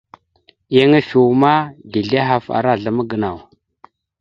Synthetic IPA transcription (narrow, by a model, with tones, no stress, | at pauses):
ja˦ŋa˦fi˨wma˦di˨ɮa˦ɦa˦˨fa̰˨ɾa˦˨ɮa˨mə˦ɡə˨na˨w